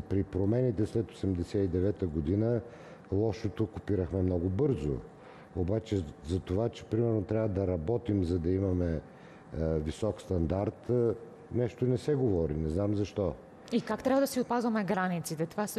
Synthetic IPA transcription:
pɾipɾomɛnit̪ɛslɛt̪osɛmd̪ɛsɛid̪ɛvɛt̪əɡod̪inə | lˠɔʃot̪okʊpiɾəxmɛmnɔɡʊbɤɾzo̰ | obat͡ʃɛzɐt̪ovat͡ʃɛ̥pɾimɛɾnot̪ɾʲjavəd̪ɐɾɐbɔt̪imzɐd̪ɐimɐmɛ | visɔkst̪ɐnd̪aɾt̪ | nɛʃt̪onɛsɛɡovɔɾinɛznamzɐʃt̪ɔ | ikakt̪ɾʲabvɐd̪ɐsiot̪̚pazvɐmɛɡɾanit̪sit̪ɛt̪ovas

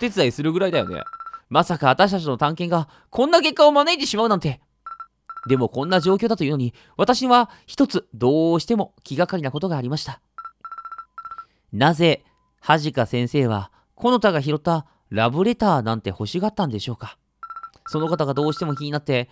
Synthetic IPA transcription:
t̪e̞t͡sɨd̪aisɨɾɯ̟ɡɯ̟ɾaid̪ajo̞̰nḛmasakaβat̪aɕi̥t̪at͡ɕino̞t̪ãŋkẽ̞ŋɡa | kʰõ̞nːake̞kːaomanait̪e̞ɕimaɯ̟nãnt̪e̞ | d̪e̞mo̞kõ̞nːaʑo̞ːkʲo̞ːd̪at̪o̞ino̞ɲ̟i | βat̪aɕiɲiβaçi̥t̪o̞t͡sɨd̪o̞ːɕi̥t̪e̞mo̞kʲiɡakaɾʲinako̞t̪o̞ɡaːɾʲimaɕi̥t̪ḁ | naze̞ | haʑikasẽ̞ɰ̃se̞ːβ̞a̰ | kʰo̞no̞t̪aɡaçiɾo̞t̪ːa | ɾabɯ̟ɾe̞t̪aːnãnt̪e̞̰ho̞ɕiɡat̪ːãnd̪e̞ɕo̞ːkḁ | so̞no̞kat̪aɡad̪o̞ːɕi̥t̪e̞mo̞kʲiɲ̟inat̪ːe̞

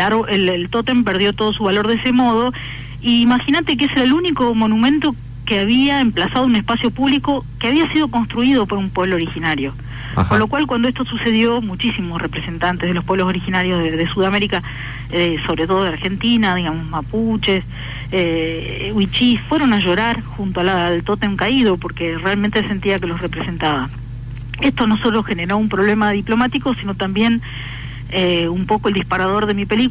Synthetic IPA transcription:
laɾoʔellt̪ot̪empeɾðjo̞t̪o̞ð̞o̞suβalo̞ɾðese̞mo̞ð̞o̞ | iːmaxinat̪e̞k̬eeseɾaeluniko̞mo̞nũmẽ̞nt̪o̞ | keaβiaemplasað̞ounespasjo̞puβliko̞keaβiasið̞o̞ko̞nst̪ɾuið̞o̞po̞ɾumpweβloːɾixinaɾjo̞ | konlo̞kwalkwand̪oest̪osuse̞ð̞jo̞mut͡ʃisimosre̞pɾese̞nt̪ant̪e̞zð̞elo̞hpweβlo̞s̬o̞ɾixinaɾjozðeðesuðame̞ɾika | eso̞β̞ɾet̪o̞ð̞oaɾxe̞nt̪inað̞iɣamo̞zmaput͡ʃes | e | wit͡ʃisfwe̞ɾo̞naʒo̞ɾaɾxunt̪oalalt̪o̞t̪e̞ŋkaið̞o̞po̞ɾke̞realment̪e̞se̞nt̪iake̞lo̞sre̞pɾese̞nt̪aβa | e̞st̪o̞no̞sot̪ɾoxeneɾo̞umpɾo̞β̞le̞maðiplo̞mat̪iko̞sino̞t̪ambje̞n | eumpo̞kold̪ihspaɾað̞o̞ɾðe̞mipe̞lik

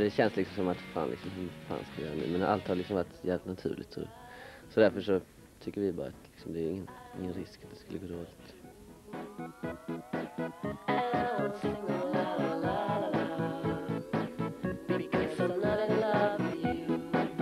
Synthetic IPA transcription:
d̪ɛɕɛnslɪksɔmsɔmat̪fa̰ːnlɪ̰ksɔmhʉfa̰ːnskajœːɾanʉ̟̰ːmɛnʔa̰lt̪haɾlɪksɔmvaʈːjæt̪nat̪ʰʉ̟ːɭʔɪt̪sɔ̰sɔd̪æɾfœʂɔ | t̪ʰʏkːəɾvɪbɑ̰ːɾa̰at̪lɪksɔmd̪ɛæːɾɪŋːənɪŋːənɾɪskḁt̪̚d̪ɛskɵlːəɡoːd̪oːlɪt̪

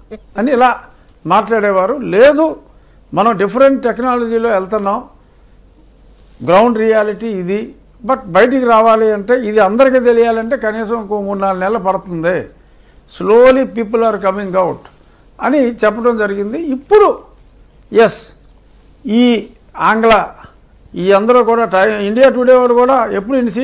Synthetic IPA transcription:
ɐniːlaː | maːʈlaːɽɛːʋaːɾule̞ːd̪u | mɐnɐmɖipʰɐɾeɳʈʈeknaːlɐd͡ʒiːlo̞ːɛlt̪ɐnːaːm | ɡɾɐwɳɖɾijaːliʈiːd̪i | bɐʈ̚bɐjɐʈ̬ikiɾaːʋaːliɐɳʈe̞ːid̪iɐnd̪ɐɾikiːt̪e̞lijaːlɐɳʈe̞ːkɐniːsɐmkounːaːlnɛlːɐpɐɽɐt̪und̪eː | sloːlipiːp̬ulaːɾkɐmiŋɡɐwʈ | ɐnit͡ʃɛpːɐʈɐmd͡ʒɐɾiɡind̪iːpːuɽu | jes | iː | aːŋɡlaː | iːɐnd̪ɐɾuːkuːɽaːʈɐjmiɳɖijaːʈuːɽeʋaːlukuːɽaːepːuɽuinisi

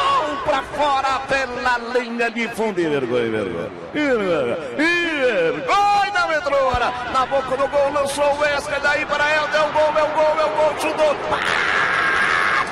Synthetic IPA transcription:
awpɾɐfɔɾɐpelɐlĩɲɐdɪfũd̪ɪveɾɡõ̰ɲɐ̰vḛɾɡõ̰ɲɐ̰iɾoɾɲ̰ | iveɾɡoɲɐmet̪ɾoɾɐnɐbokɐd̪ʊɡowlɐ̃soʊɛskɐd̪ɐipɐɾɐet̪eɡowmewɡowmewɡowʃud̪oɾpa

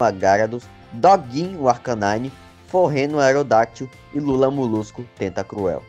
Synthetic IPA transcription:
aɡaɾɐd̪ʊs | d̪ɔɡĩuaɾkɐ̃nãɲʊ | foɦẽnʊajɾod̪at͡ʃʊ | ɪlulɐmuluskʊt̪ẽt̪ɐkɾuɛ̰w

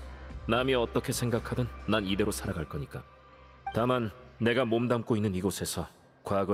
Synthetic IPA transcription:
namiʌt͈ʌkʰe̞sʰe̞ŋɡakʰadɯnːanide̞ɾosʰaɾaɡaɭk͈ʌɲik͈a | tamanːe̞ɡamomdamk͈oinːɯniɡosʰe̞sʰʌ | kwaɡʌ

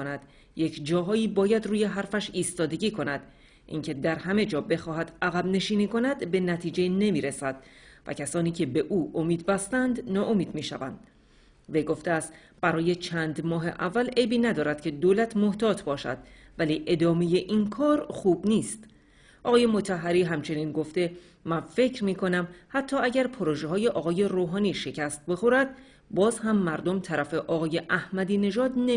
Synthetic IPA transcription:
onæd̪̥ | je̞cʰd͡ʒɒːɦɒːiːbɒːjæd̪ruːje̞ɦæɾfæʃiːst̪ɒːd̪e̞ɡiːkʰo̞næd̪̥ | ʔḭːŋcʰe̞d̪æɾhæme̞d͡ʒɒːbe̞xɒːɦæd̪̥æɣæbne̞ʃiːniːko̞næd̪be̞næt̪ʰiːd͡ʒene̞miːɾesæd̪̥væ̰cʰæsɒːniːcʰe̞be̞ʔuːʔomiːd̪bæst̪ænd̪nɒːʔo̞miːd̪̥miːʃæ̰væ̰nd̪̥ | vejɡo̞ft̪eæst̪ | b̥æɾɒːje̞t͡ʃʰæːnd̪mɒːɦe̞̰ʔævːæle̞jbiːnæd̪ɒːɾæd̪̥cʰe̞d̪oːlæt̪ʰmo̞ht̪ʰɒːt̪ʰbɒːʃæ̰d̪̥væliːʔe̞d̪ɒːme̞je̞ʔinkʰɒːɾχuːbniːst̪ | ʔɒːɣɒːje̞mo̞t̪ʰæɦːæɾiːɦæmt͡ʃʰe̞niːnɡo̞ft̪e̞ | mænfe̞cʰɾmiːkʰo̞næmhæt̪ʰːɒːæɟæɾpʰoɾoʒeɦɒːje̞ʔɒːɣɒːje̞ɾoːɦɒːniːʃe̞cʰæst̪̚be̞xoɾæd̪̥ | bɒːzhæmːæɾd̪o̞mt̪ʰæɾæfe̞ʔɒːɣɒːje̞ʔæhmæd̪iːne̞ʒɒːd̪ne

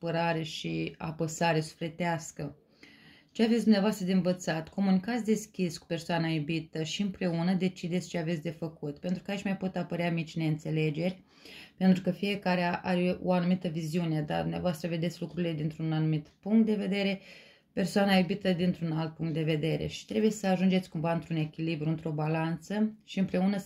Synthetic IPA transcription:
pəɾaɾe̞ʃia̰pəsaɾe̞su̥fle̞t̪easkə | t͡ʃeavet̪sʲd̪umneavoast̪ɾəd̪envət̪sat̪kʰo̞munikat̪sʲd̪e̞skʲisku̥pe̞rsoanajubit̪əʃiɨmpɾe̞unəd̪e̞t͡ʃid̪esʲt͡ʃeave̞t̪ʲd̪e̞fəkut̪pe̞nt̪ɾu̥kait͡ʃmajpo̞t̪apəɾeamit͡ʃne̞ɨnt̪se̞le̞d͡ʒe̞rʲ | pent̪ɾukəfije̞kaɾeaʔaɾʲeoanumit̪əviziune̞d̪a̰d̪umneavoast̪ɾəve̞d̪et̪sʲlukɾuɾile̞d̪int̪ɾunanumit̪puŋkt̪d̪e̞ve̞d̪e̞ɾe̞ | pe̞rsoanajubit̪əd̪int̪ɾunalt̪̚puŋk̚t̪d̪e̞ve̞d̪e̞ɾe̞̰ʃi̥t̪ɾe̞buje̞səaʒund͡ʒe̞t̪sʲkumvaɨnt̪ɾune̞kʲilibɾuɨnt̪ɾo̞balant̪səʃiɨmpɾe̞unə

